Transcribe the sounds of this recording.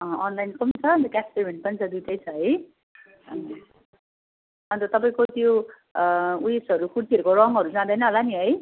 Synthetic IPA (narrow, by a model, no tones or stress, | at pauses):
ʌ̃ʌnlajnkʌmt͡sʰʌʌnt̪ʌkaspem̤ʱeɳʈ̚pʌnit͡sʰʌd̪ujʈʰʌjt͡sʰʌɦʌj | ʌ | ʌnt̪ʌt̪ʌpaĩkot̪jo | uisʌɾukuɽt̪iʌɾukorʌŋɡɦʌɾud͡zãd̪ʌjnʌɦʌlaniɦʌj